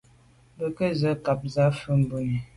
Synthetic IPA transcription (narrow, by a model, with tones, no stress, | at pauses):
bə˨kə˦zə˨˦ka˨p̚za˨˦fə˦m̩˨bu˦ni˨